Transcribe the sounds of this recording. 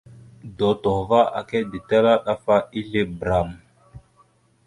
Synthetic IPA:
do˨to˨va˦a̰˨ke˦di˨ta˦la˦ɗa˦fa˦i˦ɮe˦bɾa˨m

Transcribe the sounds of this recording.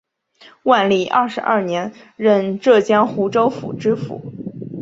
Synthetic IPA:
wa˥˧nli˥˩ʔɐ̰˥˩ʂɻ̩˧˥ʔɐ̰˞˥˩njɛ˧˥nɻə˥˧nʈ͡ʂɤ˥˩t͡ɕjɑ˥ŋxu˧˥ʈ͡ʂo˥ʊfṵ˨˩ʈ͡ʂɻ̩˥fṵ˧˥˦

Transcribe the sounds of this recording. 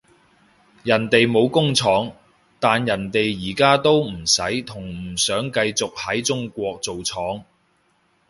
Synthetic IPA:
jɐ˨˩nt̪e˨jmo˨˧wkʊ˥ŋt͡sʰɔː˨˥ŋ | t̪aː˨njɐ˨˩nt̪e˨jːiː˨˩kaː˥t̪o˥wm̩˨˩sɐ˨˥jt̪ʰʊ˨˩ŋm̩˨˩sœː˨˥ŋkɐ˧jt͡sʊ˨k̚hɐ˨˥jt͡sʊ˥ŋkʷɔː˧k̚t͡so˨wt͡sʰɔː˨˥ŋ

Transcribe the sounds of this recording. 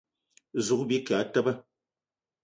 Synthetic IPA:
zu˨k̚bi˦ka˨˦tə˦bə˦

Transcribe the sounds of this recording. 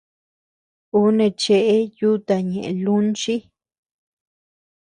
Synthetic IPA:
u˦nẽ˧t͡ʃe˧ʔe˦ju˦t̪a˧ɲẽ˨ʔe˨lu˦nt͡ʃi˦

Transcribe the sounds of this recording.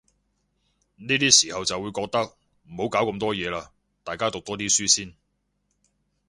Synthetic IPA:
niː˥t̪iː˥siː˨˩hɐ˨wt͡sɐ˨wuː˨˧jkɔː˧k̚t̪ɐ˥k̚ | m̩˨˩ho˨˥wkaː˨˥wkmt̪ɔː˥jɛː˨˧laː˧ | t̪aː˨jkaː˥t̪ʊ˨k̚t̪ɔː˥t̪iː˥syː˥siː˥n

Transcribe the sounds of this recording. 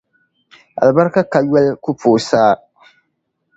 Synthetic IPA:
a̰˨lba˦ɾka˦ka˨jɛ˦lku˦pʰoː˨saː˦

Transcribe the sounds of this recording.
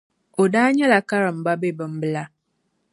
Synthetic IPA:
o˨daː˦ɲɛ˦la˨ka˦ɾɨ˨m̩˨ba˦be˦bɨ˨m˦bɨ˦la˦

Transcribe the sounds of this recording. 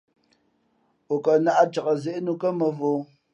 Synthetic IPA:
o˨kə˨na˦ʔa˦t͡ʃə˨kə˨ze˦˨ʔnu˦kə˦mə˨vo˦

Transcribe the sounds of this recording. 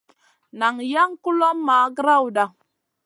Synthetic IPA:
na˨ŋja˦ŋku˦lo˦mːa˨˦ɡɾa˦wu˨da˨ŋ

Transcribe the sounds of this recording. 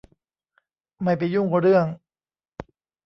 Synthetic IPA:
ma˥˩jp̬a˧˩jːuː˥˩ŋkɔ˧˩ɾɯ˥˩əŋ

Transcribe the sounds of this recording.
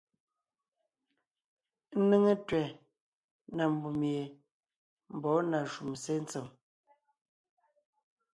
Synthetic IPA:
n̩˦ne˦ŋe˦twɛ˨ | na˨m̩˨bu˨mje˨ | m̩˨bɔ˨˦na˨ʃu˨mse˦n˦t͡se˨m

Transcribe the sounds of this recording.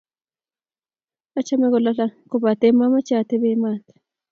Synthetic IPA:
a˦t͡ʃa˦mɛ˦ɣɔ˨la˦ɬa˦koba˨t̪e˦ma˦ma˦t͡ʃa˨t̪e˦βe˦ma˨t̪e̥

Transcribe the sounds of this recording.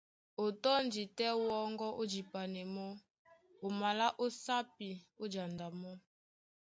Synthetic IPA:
o˨tɔ˦n˦d͡ʒi˨tɛ˦wɔ˦ŋɡɔ˦ʔo˦d͡ʒi˨pa˨nɛ˨mɔ˦ | o˨ma˨la˦ʔo˦sa˦pi˨o˦d͡ʒa˨nda˨mɔ˦

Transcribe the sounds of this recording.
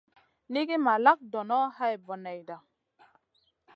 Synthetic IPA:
ni˦ɡi˦ma˨la˦k̚dɔ˨nɔ˦ha˦jbɔ˨nɛ˨jda˨

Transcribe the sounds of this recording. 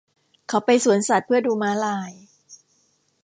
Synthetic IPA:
kʰa˨˦˥wpa˧jsu˩˦ənsa˨˩t̪̚pʰɯ˥˩ɐduː˧maː˦˥laː˧j

